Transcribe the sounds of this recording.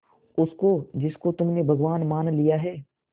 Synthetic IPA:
ʊskod͡ʒɪskot̪ʊmnebʱɐɡʋaːnmaːnlijaɦɛː

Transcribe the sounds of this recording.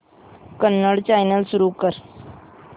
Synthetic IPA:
kənːəɽt͡ɕajnəlsuɾuːkəɾ

